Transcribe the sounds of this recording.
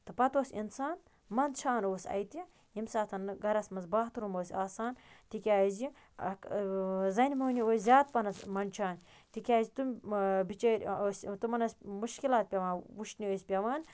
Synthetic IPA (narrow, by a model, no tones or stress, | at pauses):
t̪ɨpɐt̪oːsʲinsaːn | mɐnt͡ʃʰaːnoːsʲɐ̰jt̪i | imsaːt̪ʰɐnɡɐɾɐsmɐnzbaːɦt̪ɾumoːsʲaːsaːnt̪ikʲaːzi | zɐnʲmoːnioːsʲzʲaːt̪̚pɐnɐsmɐnʲt͡ʃʰaːnʲ | t̪ikʲaːzʲit̪umʲbit͡ʃɐːɾʲoːsʲt̪ɨmɐnɐsʲmuʃkilaːt̪̚pʲɐʋaːnwuʃnʲioːsʲpʲɐʋaːnʲ